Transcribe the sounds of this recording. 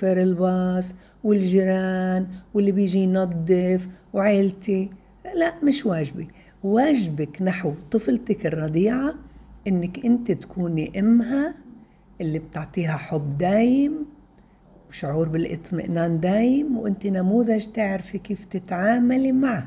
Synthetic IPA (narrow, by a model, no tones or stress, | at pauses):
feɾɪlbɑːs | wɪlʒiɾaːnwɪlːibiːʒinɑd̪ˤːɪfwʕeːlt̪i | laʔmɪʃwaːʒbi | waːʒbaknaħwt̪ˤɨflt̪ɪkɪrˤːɑd̪iːʕaʔɪnːɪkʔɪnt̪it̪ḁkʰuːniʔɪmɦa | ʔɪlːib̚t̪ɪʕt̪ˤiːɦaħʊbːd̪aːjɪm | wʃʊʕuːɾbɪlʔɨ̰t̪ˤmɪ̰ʔnaːnd̪aːjɪmwʔɪnt̪inamuːðaʒt̪ɪʕɾfikiːft̪ɪt̪ʕaːmalimaʕ